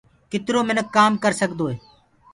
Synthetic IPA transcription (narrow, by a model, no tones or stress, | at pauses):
kɪt̪ɾoːmɪnəkːaːmkəɾsəɡd̪oːɦeː